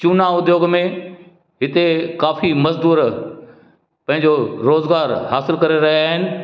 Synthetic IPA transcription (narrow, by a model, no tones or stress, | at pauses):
t͡ɕunaʊd̪joːɡmẽ | ɦɪt̪ekaːfimɐzd̪uːɾ | pɐ̃ɦɪ̃ɲ̆d͡ʑoɾoːzɡaːɾɦaːsɪlkɐɾeɾɐɦijaːɦɪnɪ̆